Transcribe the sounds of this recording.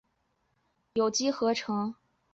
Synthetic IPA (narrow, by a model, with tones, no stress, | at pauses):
jo˨˩ʊt͡ɕi˥xɤ˧˥ʈ͡ʂʰɤ˧˥ŋ